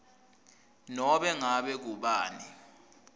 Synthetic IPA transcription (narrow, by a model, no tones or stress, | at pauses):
nɔɓɛŋaɓɛk̬uɓaːni